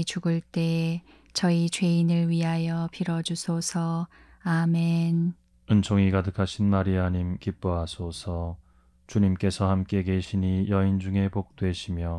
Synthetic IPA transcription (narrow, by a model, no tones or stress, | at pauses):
t͡ɕuɡɯɭt͈e̞ | t͡ɕʌit͡ɕwe̞inɯɭɥiɦajʌpʰiɾʌd͡ʑusʰosʰʌ | ame̞n | ɯnt͡ɕʰoŋikadɯkʰaɕʰinmaɾiɦaɲimkip͈oɦasʰosʰʌ | t͡ɕuɲimk͈e̞sʰʌhamk͈e̞ke̞ɕʰiɲijʌind͡ʑuŋe̞pok̚t͈we̞ɕʰimjʌ